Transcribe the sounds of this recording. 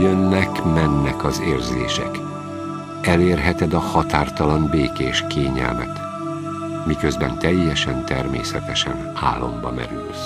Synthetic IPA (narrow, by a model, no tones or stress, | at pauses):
jønːɛkmɛnːɛkɒzeːrzḛːʃɛ̰k | ɛleːrɦɛt̪ɛd̪ɒhɒt̪aːrt̪ɒlɒnbeːkeːʃkeːɲɛ̰lmɛ̰t̪ | mikøzbɛnt̪ɛjːɛʃɛnt̪ɛrmeːsɛt̪ɛʃɛ̰n | a̰ːlːo̞mbɒmɛ̰ɾy̰ls